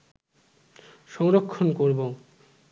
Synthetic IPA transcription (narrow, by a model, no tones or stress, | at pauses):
ʃɔŋɾokʰːonkoɾbo